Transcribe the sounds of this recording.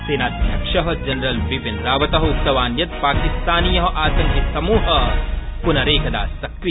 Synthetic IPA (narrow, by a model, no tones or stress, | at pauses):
seːnaːd̪̚bʱjɐkʂɐɦɐd͡ʒɐnɾɐlʋipinɾaːʋɐt̪ɐɦɐut̪sɐʋaːnjɐt̪̚paːkist̪aːnijɐɦɐʔaːsɐnjɐsɐmuːɦɐpunɐɾeːkʰɐd̪a̰ːsɐkɾi